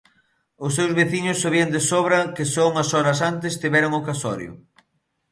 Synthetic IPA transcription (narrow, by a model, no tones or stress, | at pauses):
ʊsːewzβeθiɲʊsːaβiɐnd̪esoβɾɐkɪsouŋɐsɔɾɐs̬ant̪ɪst̪iβɛɾʊŋʊkasɔ̰ɾjʊ̰